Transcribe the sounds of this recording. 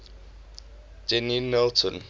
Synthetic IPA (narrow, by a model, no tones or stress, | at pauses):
d͡ʒɛninːɛltʰɔ̃n